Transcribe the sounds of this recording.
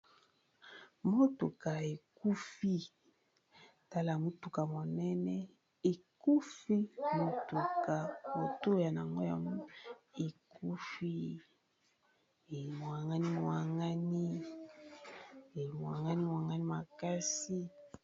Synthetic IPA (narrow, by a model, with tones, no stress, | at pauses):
mo˦to˨ka˨e˨ku˦fi˦ | ta˦la˨mu˦tu˨ka˨mo˨nɛ˦nɛ˦ | e˨ku˦fi˦mo˦tu˨ka˨o˨to˦ja˨na˨ŋɡo˦ja̰˨m˦e˨ku˦fi˦˨ | mo˨a˨ŋɡa˦ni˦mo˨wa˨ŋa˦ni˦˨ | mo˨a˨ŋɡa˦ni˦mo˨a˨ŋɡa˦ni˦ma˨ka˦si˦